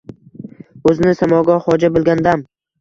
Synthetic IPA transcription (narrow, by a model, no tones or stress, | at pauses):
ɵzɪnɪsamɒɡɒhɒd͡ʒabolˠɡʲand̪am